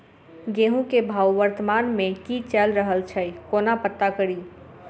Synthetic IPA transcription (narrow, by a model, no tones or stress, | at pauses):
ɡeɦũkebʱaːwʋəɾt̪əmanmẽkit͡ʃɛlɾəɦəlt͡ʃʰəjkoːnapət̪ːakəɽiː